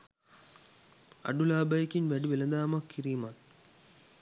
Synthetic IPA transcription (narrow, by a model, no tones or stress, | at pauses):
ɐ̰ɖulaːbɐjkːinʋɐɖiʋelɐnd̪aːmɐkːirijmaːn